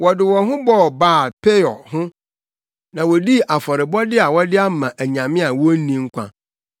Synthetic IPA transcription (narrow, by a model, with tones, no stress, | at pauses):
wɔ˨dɪ˨wɔ˨ɦʊ̃˦bɔ˦˨baː˦˨pʰe˦ɔ˨hʊ̃˦ | nã˨wɔ˨di˦ʔa˨fɔ˨ɾɪ˨bɔ˦dɪ˦a˨wɔ˦dɪ˦a˦m̩˦˨mã˨ʔæ˨ɲã˨mɪ̃˦a˨wɔ˦n̩˦nĩ˦ŋ̩˦kʷʰã̰˨